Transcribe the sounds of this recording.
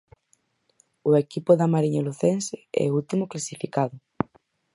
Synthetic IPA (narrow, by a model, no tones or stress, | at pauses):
ʊekipʊðamaɾiɲaluθensɪɛ̰ult̪imʊklasifikaðʊ